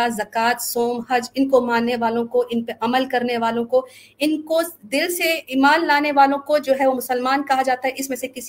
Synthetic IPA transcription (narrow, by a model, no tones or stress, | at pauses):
azɐkaːt̪soːmɦɐd͡ʒɪnkomãːnːeʋaːlõkoʔɪnpeʔɐməlkɐɾneʋaːlõko | ɪnkod̪ɪlseɪːmaːnlaːneʋaːlõkod͡ʒoːɦɛʋomʊsəlmaːnkɐɦad͡ʒaːt̪aɦɛʔɪsmẽsekɪs